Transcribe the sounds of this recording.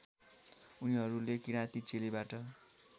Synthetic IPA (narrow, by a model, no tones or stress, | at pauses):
uniɦʌɾulekiɽ̃ãt̪it͡selibaʈʌ